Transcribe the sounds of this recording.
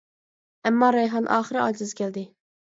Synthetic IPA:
æmːɑːɾɑjɦɑnʔɑ̰ːχɨɾɪɑ̰d͡ʒ̪ɪzkʲʰæld̪ɪ

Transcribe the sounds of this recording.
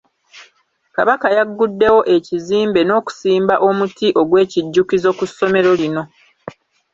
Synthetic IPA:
ka̰βakajaɡːudːe̞wo̞ʔe̞ciziːmbe̞no̞ːku̥siːmbaʔo̞mutiʔo̞ɡwe̞ːciɟːukizo̞kusːo̞me̞ɾo̞lino̞

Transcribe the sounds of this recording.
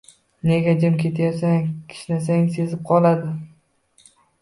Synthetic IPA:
ne̞ɡʲad͡ʒamkʲʰe̞t̪ʰajasaŋkʲʰɪ̥ʃnas̬aŋse̞zɪp̚qʰɒlˠad̪ɪ

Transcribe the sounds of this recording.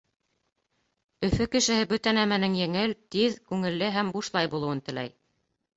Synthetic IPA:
ɵ̆fɵkɘ̆ʃɘ̆hɘbɵt̪ænæmænɘŋjɘ̆ŋɘlt̪iðkʉŋɘ̆lːɘɦæmbuʃlˠɑjbulˠɤ̆wɤnt̪ɘ̆læj

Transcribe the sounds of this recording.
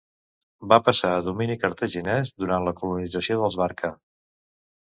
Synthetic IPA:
bapəsaəðuminikəɾt̪əʒinɛzd̪uɾanləkulunid͡zəsioðəlˠzβaɾkə

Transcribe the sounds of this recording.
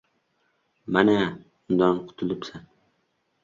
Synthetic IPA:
mana | ʊnd̪ɒnqʰʊ̥t̪ʰɪlɪpsan

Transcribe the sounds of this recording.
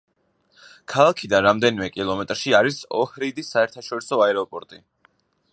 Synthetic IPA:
kʰalˠakʰid̪anɾamd̪ɛnimɛkʼilˠɔmɛt̪ʼɾʃiaɾisɔ̰hɾid̪isːaɛɾt̪ʰaʃɔɾisɔaɛɾɔpʼɔɾt̪ʼi

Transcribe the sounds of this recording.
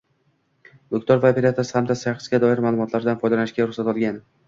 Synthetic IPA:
d̪okt̪ɒɾvaːpe̞ɾat̪ʰasɪ̥hamd̪asaχɨsɡʲad̪ɒɪɾmaːlˠʊmɒt̪laɾd̪anfɒjd̪alanɪʃɡʲaɾʊχsat̪ɒlˠɡʲan

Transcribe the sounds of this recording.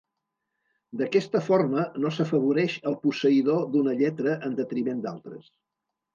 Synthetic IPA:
d̪əkɛst̪əfoɾmənosəfəβ̞uɾɛʃəlˠpusəiðod̪unəʎɛt̪ɾəʔənd̪ət̪ɾimend̪a̰lˠt̪ɾə̰s

